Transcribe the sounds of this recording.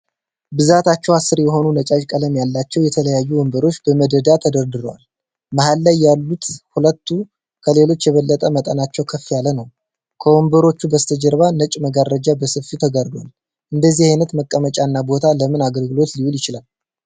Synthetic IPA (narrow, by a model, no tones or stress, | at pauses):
bɨzat̪ʰat͡ʃːɛwasːɨɾjɛɦo̞nunət͡ʃʼat͡ʃʼkʼələmjalːat͡ʃːɛwjɛt̪ʰələjajːuwɔmbəɾo̞t͡ʃːbəməd̪əd̪at̪ʰəd̪əɾd̪ɨɾwa̰l | mahalːajːalːut̪hulət̪ʰːu | kʰəle̞lo̞t͡ʃːjɛβəlːət̪ʼəmət̪ʼənat͡ʃːɛwkʰəfijalənəw | kʰəwombəɾo̞t͡ʃːubəst̪ʰəd͡ʒəɾβanət͡ʃʼməɡarːəd͡ʒabəsɨfit̪ʰəɡaɾd̪wa̰l | ʔɨnd̪əzːihajnət̪məkʼːəmət͡ʃʼanːabo̞t̪ʰaləmɨnaɡəlɡɨlo̞t̪liwuljɪt͡ʃɪlal